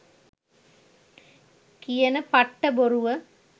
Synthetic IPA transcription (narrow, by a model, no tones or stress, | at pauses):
kijənəpaʈːəboɾuʋə